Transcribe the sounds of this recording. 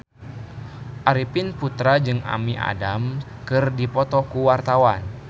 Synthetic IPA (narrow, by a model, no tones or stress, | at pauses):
ʔaɾipɪnput̪ɾad͡ʒɨŋa̰miʔa̰dam | kɨrdipɔt̪ɔkuwart̪awan